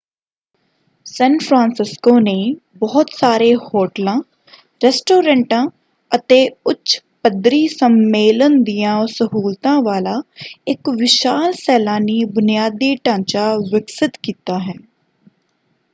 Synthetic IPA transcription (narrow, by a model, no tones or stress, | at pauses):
sɛ̃ːnpʰɾãːnsɪskoːneː | bɔːt̪saːɾeːhoːʈlãː | ɾɛːsʈoːɾɛ̃ɳʈãː | ət̪eːʊtʃpəd̪ɾiːsəmːeːlənd̪ijãːsəɦuːlt̪ãːʋaːlaːɪkʋɪʃaːlsɛːlaːniːbʊnijaːd̪iːʈãːnt͡ʃaːʋɪksɪt̪kiːt̪aːɦɛː